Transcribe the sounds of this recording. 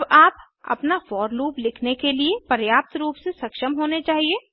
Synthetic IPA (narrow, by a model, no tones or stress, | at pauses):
baːp | ɐ̰pnafɔːɾluːplɪkʰnekeliepɐɾjaːp̚t̪ɾuːpsesɐkʃəmɦoːnet͡ʃaːɦieː